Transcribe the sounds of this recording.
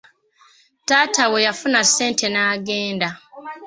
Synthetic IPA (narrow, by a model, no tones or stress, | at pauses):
taːtawejafunase̞ːntʰe̞naːɡeːnda